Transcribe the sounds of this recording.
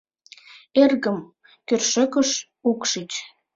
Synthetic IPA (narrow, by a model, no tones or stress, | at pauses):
erɣəm | kørʃə̆kəʃ | ukʃit͡ɕ